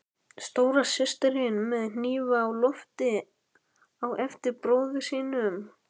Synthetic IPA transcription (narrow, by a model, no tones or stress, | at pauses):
st̪oːwɾasɪst̪ɪɾɪnmɛðnniːvaːwlɔft̪ɪ | awʔɛft̪ɪɾpɾoːwðɪsiːnʏm